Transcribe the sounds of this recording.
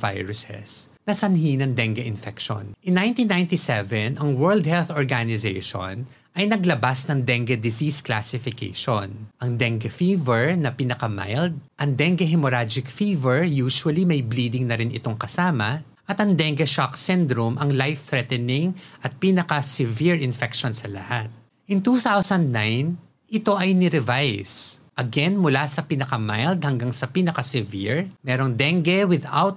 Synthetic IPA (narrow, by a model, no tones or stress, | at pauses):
va̰jɹʊsɛ̰s | nɐsɐnɦinɐŋd̪ɛŋɡɐʔɪnfɛkʃo̰nʔɪnːaj̃nt̪inːaj̃nt̪isɛvɛnɐŋwɛɹld̪̚hɛlθoɹɡanɪzḛjʃo̰n | ʔɐjnɐɡlɐbasnɐŋd̪ɛŋɡɐd̪ɪsiskla̰sɪfɪkḛjʃonʔɐŋd̪ɛŋɡɐfivɛɹnɐpinɐkɐma̰jld̪̚ʔɐŋd̪ɛŋɡɐɦɪmoɾad͡ʒɪk̚fivɛɹjuːʃuwɐlimɐjbliːd̪ɪŋnɐɾɪnʔɪ̰t̪o̞ŋkɐsaːmɐ | ʔɐt̪ɐŋd̪ɛŋɡɛʃaksɛnd̪ɾʊmʔɐŋlajft̪ɾɛt̪ɛnɪŋʔɐt̪̚pinɐkɐsɪviɹɪnfɛk̚ʃonsɐlɐ̰hat̪̚ | ʔɪnt̪uːθawsɐ̃nd̪̚najn | ɪt̪o̞ʔɐjnɪɾɪvajsʔɐɡɛnmʊlasɐpinɐkɐmajld̪̚hɐŋɡaŋsɐpinɐkɐsɪvḭɹmɛːɾo̞ŋd̪ɛŋɡɛwɪd̪a̰wt̪̚